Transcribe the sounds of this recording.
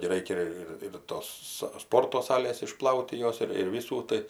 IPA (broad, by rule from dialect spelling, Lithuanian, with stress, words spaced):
ɡʲɪ ˈrɐɪkʲɛ ɪr ɪr ˈtoːs sɐ ˈspoːrtoː ˈsɑːlʲeːs ɪˈʃplˠɐʊtʲ tʲɪ ˈjoːs ɪr ɪr ˈʋʲiːsuː ˈtɐɪ